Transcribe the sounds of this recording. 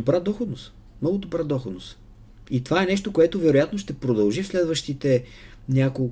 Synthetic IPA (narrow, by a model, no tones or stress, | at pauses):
obɾad̪ɔxod̪nost̪ | mnɔɡʊd̪obɾad̪ɔxod̪nost̪ | it̪ovaɛnɛʃt̪okoɛt̪ovɛɾojat̪noʃt̪ɛpɾod̪ɐlˠʒifslɛd̪vəʃt̪it̪ɛ | nʲako